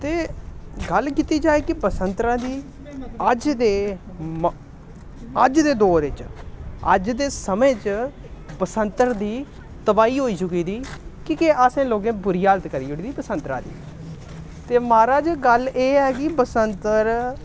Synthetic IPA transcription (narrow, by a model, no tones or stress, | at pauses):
t̪eːɡəlkiːt̪iːd͡ʒaːeːkɪpəsənt̪ɾãːd̪iː | əd͡ʒd̪eː | m | əd͡ʒd̪eːd̪oːɾɪt͡ʃə̰d͡ʒd̪eːsəmẽːt͡ʃ | bəsənt̪əɾd̪iː | t̪əbaːiːɦoːiːt͡ʃʊkiːd̪iːkiːkeasẽːloːɡẽːbʊɾiːaːlət̪kəɾiːʊɽiːd̪iːbəsənt̪ɾã̰ːd̪ḭː | t̪eːmaːɾaːd͡ʒɡəlʔeːɛːkɪbəsənt̪əɾ